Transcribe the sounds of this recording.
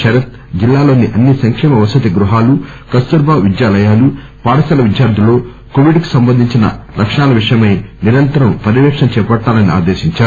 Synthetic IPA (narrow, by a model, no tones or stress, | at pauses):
ʃɐɾɐt̪̚ | d͡ʒilːaːlo̞ːniʔɐnːisɐŋkʂɛːmɐʋɐsɐt̪iɡɾuɦaːlukɐst̪uɾbaːʋid̪jaːlɐjaːlu | paːɽɐsɐlɐʋid̪jaːɾd̪ʱilo̞ː | koːʋiɖku̥sɐmbɐnd̪iɲt͡ʃinɐ̰lʔɐkʂɐɳaːlɐʋiʂɐjɐmɐjniɾɐnt̪ɐɾɐmpɐɾiʋɛːkʂɐmt͡ʃɛːpɐʈːaːlɐnia̰ːd̪eːʃiɲt͡ʃaːu